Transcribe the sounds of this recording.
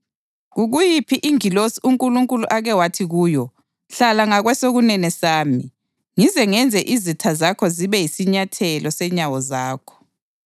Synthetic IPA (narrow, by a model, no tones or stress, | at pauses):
ɣuɣujipʰiʔiŋilosiuŋkʼuluŋkʼuluʔaɣɛwatʰiɣuːjɔ | ɬalaŋaɣwɛsoɣunɛnɛsaːmi | ŋizɛŋɛnd͡zʱɛʔizitʰazakʰɔziβɛjisiɲatʰɛlɔsɛɲawɔzaːkʰɔ̥